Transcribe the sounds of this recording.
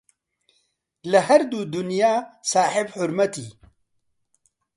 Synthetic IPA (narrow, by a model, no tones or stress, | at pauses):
ləɦɐɾd̪uːd̪ʊnjaːsaːħɪbħʊɾmɐt̪ḭː